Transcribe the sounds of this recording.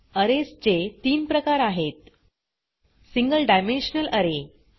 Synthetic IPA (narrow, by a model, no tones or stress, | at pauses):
əɾest͡ɕet̪iːmpɾəkaɾaɦet̪ | siŋɡəlɖajmẽnɕnələɾe